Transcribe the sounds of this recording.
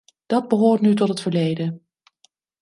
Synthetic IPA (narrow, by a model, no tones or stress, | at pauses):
d̥ɑd̚bəɦʊːɹtnytɔtɦətfəɹlejdə